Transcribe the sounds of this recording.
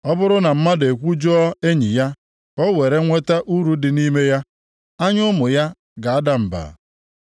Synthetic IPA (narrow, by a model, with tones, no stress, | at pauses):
ɔ˦bʊ˦ɾʊ˦na˨m̩˦ma˦de˨kʷu˦d͡ʒɔ˦ɔ˦e˦ɲi˨ja˦ | kɔ˦we˨ɾe˦ŋʷe˦ta˦ʔu˦ɾu˦dɪ˨ni˦me˦ja˦ | a˦ɲʊ˦mʊ˨ja˦ | ɡa˨a˦da˨m̩˨ba̰˨